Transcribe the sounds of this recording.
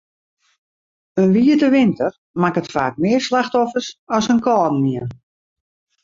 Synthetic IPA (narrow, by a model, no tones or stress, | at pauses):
ənʋiːədəʋɪntər | makətfaːk̚mɪərslaxtɔfərsɔsənkɔːdn̩miən